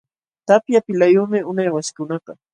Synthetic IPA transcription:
t̪apjapɪlajʊːmɪʊnajwaskʊnɑtɑ

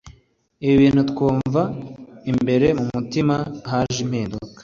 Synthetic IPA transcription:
iβiβiːn̥hutkuːɱvaimbe̞ɾe̞mumutimaɦaʒim̥hiːndukḁ

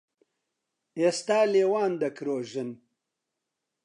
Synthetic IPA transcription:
est̪aːleːwaːnd̪ɐkɾoːʒɨn

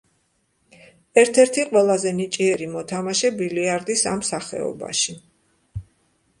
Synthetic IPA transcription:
ɛɾt̪ʰɛɾt̪ʰiqʼwɛlˠazɛnit͡ʃʼiɛɾimɔt̪ʰamaʃɛbiliaɾd̪isamsaχɛ̰ɔ̰ba̰ʃi

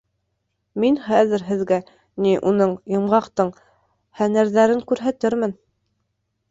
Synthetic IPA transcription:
minχæðɘ̆ɾɦɘ̆ðɡæ | niʔunɤɴjɤ̆mʁɑqt̪ɤɴ | hænæɾðæɾɘŋkʉɾɦæt̪ɘɾmɘn

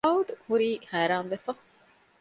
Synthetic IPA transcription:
ɐud̪huɾiːhæːɾaːmʋefɐ

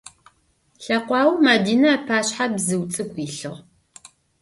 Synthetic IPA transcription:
ɬɐqʷɑːwmadiːnɐpʰaːɕħabzɨwt͡sʼɨkʷʼiːɬɨʁ

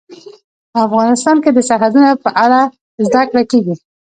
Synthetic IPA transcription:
pəafɣɑnɪst̪ɑnked̪əsaɦad̪unapəʔaɽa | zd̪akɽakeɡi

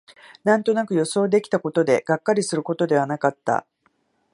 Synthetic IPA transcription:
nãnt̪o̞nakɯ̟jo̞so̞ːd̪e̞kʲi̥t̪ako̞t̪o̞d̪e̞ɡ̥akːaɾʲisɨɾɯ̟ko̞t̪o̞d̪e̞β̞anakat̪ːa̰

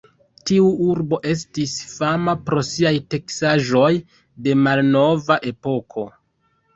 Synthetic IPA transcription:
tiuuɾbo̞ʔe̞s̬tisfamapɾo̞siajte̞ksaʒo̞j | de̞malno̞vaʔe̞po̞kʰo̞

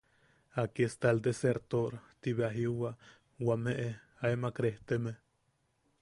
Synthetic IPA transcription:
akiest̪ald̪eseɾt̪oɾt̪iβeaɦiuwa | wameʔe | aemakɾeht̪emeh

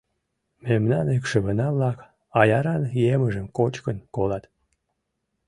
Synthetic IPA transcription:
memnɑnekʃəβənɑβlɑk | ɑjɑɾɑnjeməʒəmkot͡ɕkənkolɑt̪

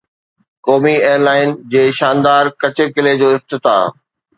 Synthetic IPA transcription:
kɔːmieːəɾlaːɪnd͡ʑeːʃaːnd̪aːɾkɐt͡ɕekɪled͡ʑoːɪft̪ɪt̪a̰ː

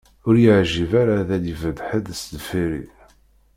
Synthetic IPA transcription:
ʊɾjəʕʒivaɾaðælivəd̪ħəd̪sd̪fiɾḭ

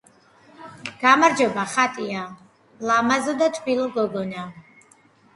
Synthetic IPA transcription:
ɡ̥amaɾd͡ʒɔbaχat̪ʼia | lamazɔd̪at̪ʰbilɔɡɔɡɔna

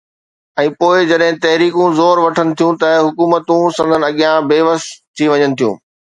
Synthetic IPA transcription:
ɛ̃ːpoːɪd͡ʑɐɗɦɪ̃t̪ɐɦɾiːkũzoːɾʋɐʈʰənɪ̆t̪ʰijũt̪ɐɦʊkuːmət̪ũsɐ̃nd̪ʱənɪ̆ɐɠijãbeːʋəst̪ʰːiʋɐɲənɪ̆t̪ʰijṵ̃ː

